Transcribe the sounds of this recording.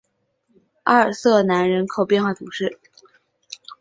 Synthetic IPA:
a˥˩ə˞˨˩sɤ˥˩na˧˥nɻə˧˥nkʰo˨˩ʊpjnxwa˥˩t͡sʰu˨˩ʂɻ̩˥˩

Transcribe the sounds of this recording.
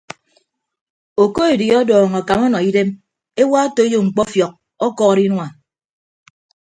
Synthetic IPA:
o˨ko˦e˨di˨ɔ˦dɔː˨ŋ˨ɔ˨ka˨mɔ˦nɔ˨i˦de˦m | e˦wa˦o˦to˨e˦jo˦˨ŋ͡m̩˨k͡pɔ˦fjɔ˨k̚ | ɔ˦kɔː˦˨ɾi˦nwa˨

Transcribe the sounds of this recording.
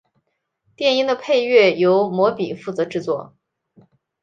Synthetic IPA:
t̪jɛ˥˩ni˥ŋd̪ə˧pʰe˥˧ɪɥɛ˥˩jo˧˥ʊmwɔ˧˥pi˨˩fu˥˩t͡sɤ˧˥ʈ͡ʂɻ̩˥˧t͡swɔ˥˩

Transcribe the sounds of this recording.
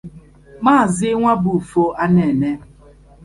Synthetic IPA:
maː˦˨zɪ˦ŋʷa˦bu˨fo˦ʔa˦ne˨ne˦

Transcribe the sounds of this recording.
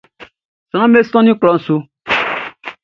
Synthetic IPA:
sã˦me˦sɔ̃˦nĩ˦klɔ˨˦n̩˨su˦

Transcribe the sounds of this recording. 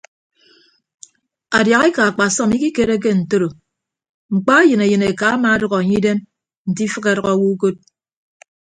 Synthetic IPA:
a˨dja˨ɣe˦ka˨a˨k͡pa˨sɔ˦mi˦ki˦ke˨ɾe˦k̬e˦n̩˨to˦ɾo˨ | ŋ͡m̩˨k͡pa˦jɨ˨ne˨jɨ˨ne˨ka˨a˦ma˨˦dɔ˦ɣɔ˨a˨ɲi˦de˦m | n̩˨ti˦fɨ˦ɣe˨˦˨ɾɔ˨ɣɔ˨˦wu˦ko˦t̚

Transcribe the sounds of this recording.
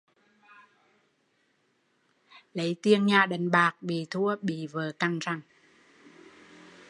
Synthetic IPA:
lə˨˦jt̪i˧əŋɲaː˨˩ɗə˨˩ŋɓaː˨˩k̚ɓi˨˩t̪ʰu˧əɓi˧˩vəː˨˩ka˧ŋt͡ɕa˧˩ŋ

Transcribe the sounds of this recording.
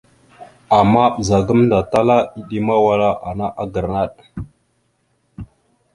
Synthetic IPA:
a˨mːa˦ɓə˨za˨ɡə˦mnda˨ta˦la˦i˨ɗi˦ma˦wa˨la˦ʔa˨na˦ʔa˦ɡə˨ɾna˦˨ɗ

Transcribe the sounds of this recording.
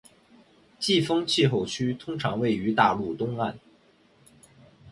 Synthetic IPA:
t͡ɕi˥˩fɤ˥ŋt͡ɕʰi˥˧xo˥˩ʊt͡ɕʰy˥t̪ʰʊ˥ŋʈ͡ʂʰɑ̰˧˥ŋwe˥˩ɪy˧˥t̪a˥˧lu˥˩t̪ʊ˥ŋa˥˩n

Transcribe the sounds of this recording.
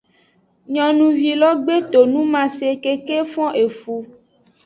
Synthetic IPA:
ɲɔ̃˨nũ˨vi˨lɔ˦ɡ͡be˦t̪o˨nũ˦mã˨se˨ke˦ke˦fɔ̃˦ʔe˨fu˨˦

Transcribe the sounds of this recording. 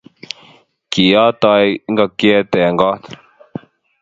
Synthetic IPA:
ki˨ɔ˦tɔ˧jŋ˦ɡa˨kjɛ˦t̪ɛ˨ŋɡɔ˦t̪

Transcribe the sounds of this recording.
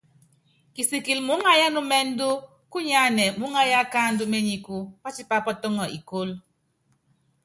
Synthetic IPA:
ki˨si˨ki˨lmu˨˦ŋa˦ja˦nu˦mɛ˦n̩˦du˦ | ku˦ɲa˦˨nɛ˨mu˨˦ŋa˦ja˦ka˦n̩˦du˦me˦ɲi˨ku˦pa˦t͡ʃi˦pa˦pɔ˦tɔ˦ŋɔ˨ḭ˨ko˦l

